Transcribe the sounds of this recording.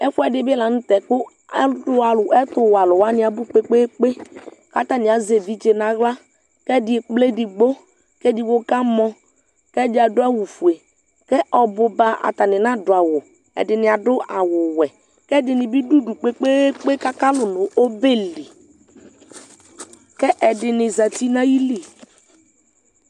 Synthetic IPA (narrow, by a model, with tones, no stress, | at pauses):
ɛ˦fu˦ɛ˦˨dɪ˦bɪ˦la˨n̩˦tɛ˨kʊ˦ | dʊ˦a˨lʊ˨ʔɛ˦tʊ˨wa˨lʊ˨wa˦nɪ˦a˨bu˦k͡pe˦k͡pe˦k͡pe˦ka˦ta˨nɪ˨a˨ze˨vi˦d͡ʒe˨na˨ɣla˦ | kɛ˦dɪ˦e˨k͡ple˦di˨ɡ͡bo˦ | kɛ˦di˨wo˦ka˦mɔ˦ | kɛ˦dɪ˦a˨dʊ˦a˦wu˨fu˨e˨ | kɛ˦ʔɔ˨bʊ˨ba˨ʔa̰˨ta˨nɪ˨na˦dʊ˨a˨wʊ˨ | ɛ̰˨dɪ˨nɪ˨a˨dʊ˦ʔa˨wʊ˨wɛ˨ | kɛ˦dɪ˨nɪ˨bi˦du˦du˨k͡pe˦k͡pe˦k͡pe˦ka˦ka˦lʊ˨nʊ˨ʔo˦be˦li˨ | kɛ˦ʔɛ˨dɪ˨nɪ˨za˨ti˦na˦ji˦li˨